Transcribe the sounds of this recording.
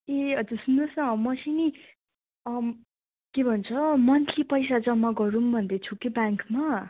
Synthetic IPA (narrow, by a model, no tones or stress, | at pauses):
eʌd͡zursunʌsʌʌmʌsʰini | kebʱʌnt͡sʰʌmʌnt̪ʰipʌjsad͡zʌmːaɡʌɾumbʱʌnd̪et͡sʰukebaŋkma